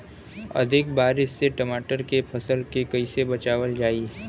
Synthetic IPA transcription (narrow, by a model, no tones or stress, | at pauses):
ɐ̰d̪ʱɪk̚baːɾɪʃseʈɐmaːʈəɾkepʰɐsəlkekɐisebɐt͡ʃaːʋəld͡ʒaːi